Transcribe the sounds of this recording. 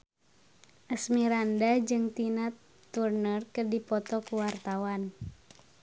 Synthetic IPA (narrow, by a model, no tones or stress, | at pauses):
ʔəsmiɾandad͡ʒɨŋt̪inat̪ː | urnərkərdipɔt̪ɔkuwart̪awan